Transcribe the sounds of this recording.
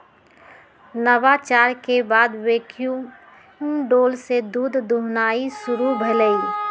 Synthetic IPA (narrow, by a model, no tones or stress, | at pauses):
nəʋat͡ʃaːɾkebaːd̪weːkʰju | ɖoːlsed̪uːd̪ʱd̪uɦnaːisʊɾubʱələi